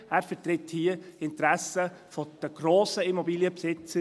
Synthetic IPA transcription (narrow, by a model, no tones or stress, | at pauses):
æːɾfətɾɪthiəɪntɾæsə | fɔd̪̥əɡ̥ɾoːsəimɔbiːljəpsɪt͡sə